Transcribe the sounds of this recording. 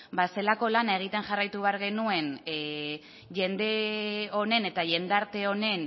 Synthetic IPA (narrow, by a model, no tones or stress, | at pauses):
base̞lako̞lanae̞ɣ̞it̪e̞ŋʝarajt̪uβ̞e̞aɾɣ̞e̞nue̞n | ʝe̞nd̪e̞o̞ne̞ne̞t̪aʝe̞nd̪aɾt̪e̞o̞ne̞n